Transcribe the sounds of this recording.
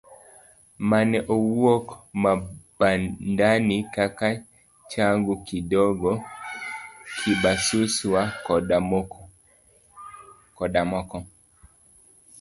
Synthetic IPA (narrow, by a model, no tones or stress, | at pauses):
manɛʔɔwwɔkmab̥andanikaka | t͡ʃaŋɡukidɔɡɔ | kʰibasuswa | kɔdamɔkɔ